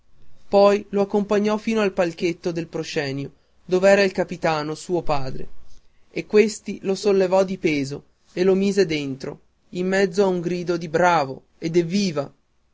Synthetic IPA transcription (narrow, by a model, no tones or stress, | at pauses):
pɔjloakːompaɲːɔfiːnoalpalk̟et̪ːod̪elpɾoʃɛːnjo | d̪oːveɛːɾailkapit̪aːnosuːopaːd̪ɾḛ | ekːwest̪ilosolːevɔd̪ipeːzo | elomiːzed̪ent̪ɾo̰ | imːɛd̪zːoauŋɡɾiːd̪od̪ibɾaːvo | ed̪evːiːva